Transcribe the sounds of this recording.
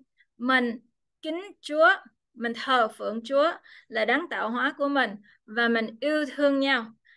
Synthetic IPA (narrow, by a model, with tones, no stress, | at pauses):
mi˨˩ŋ̟ | kï˨˦ŋ̟t͡ɕu˨˦ə | mï˨˩ŋ̟t̪ʰəː˨˩fɨ̰˧˨əŋt͡ɕu˨˦əlaː˨˩ɗaː˨˦ŋt̪a̰ː˧˨wɦwaː˨˦ku˧˩əmï˨˩ŋ̟ | vaː˨˩mï˨˩ŋ̟ʔi˧əwt̪ʰɨ˧əŋɲa˧w